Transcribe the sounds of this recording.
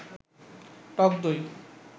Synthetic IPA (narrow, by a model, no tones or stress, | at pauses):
ʈɔkd̪oj